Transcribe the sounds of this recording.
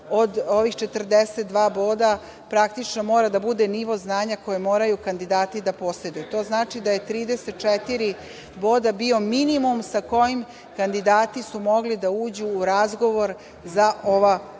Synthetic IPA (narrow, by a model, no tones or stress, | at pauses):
o̞d̪o̞ʋixt͡ʃe̞t̪r̩d̪eset̪̚d̪ʋaːbo̞ːd̪a | pɾak̚t̪it͡ʃnomo̞ːɾad̪abud̪eniʋo̞znaːɲako̞jemo̞ːɾajukand̪id̪aːt̪id̪apo̞se̞d̪ujut̪o̞ːznaːt͡ʃid̪aje̞t̪ɾiːd̪ese̞t̪̚t͡ʃɛt̪iɾi | boːd̪abio̞minimumsako̞jim | kand̪id̪aːt̪isumo̞ɡlid̪auːd͡ʑuːɾazɡo̞ʋo̞ɾ | zaʔo̞ʋa